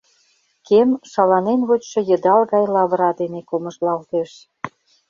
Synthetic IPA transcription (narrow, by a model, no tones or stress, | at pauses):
kemʃɑlɑnenβot͡ɕʃɤ̆jə̆d̪ɑlɣɑjlɑβɾɑd̪enekomə̆ʒlɑlt̪eʃ